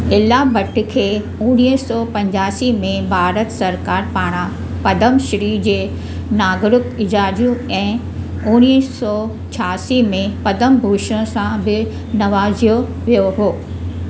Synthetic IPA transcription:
ɪlabɐʈʰɪkʰeː | ʊɽ̃isɔːpɐ̃ɲd͡ʑaːsimẽbʱaːɾət̪sɐɾkaːɾpaːɽ̃ã | pɐd̪əmʃɪɾid͡ʑeː | naːɡɾʊkɪd͡ʑaːd͡ʑũɛ̃ː | ʊñisɔː | t͡ɕʰaːsimẽpɐd̪əmbʱuːʃsãbɪ | nɐʋaːzijo | ʋijoɦoː

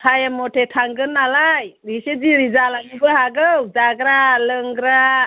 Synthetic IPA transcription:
kʰajamɔtʰetʰaŋɡɯnːalajɾised͡ʒiɾizalaɡibɯɦaɡɯwd͡ʒaɡɾaləŋɡɾa

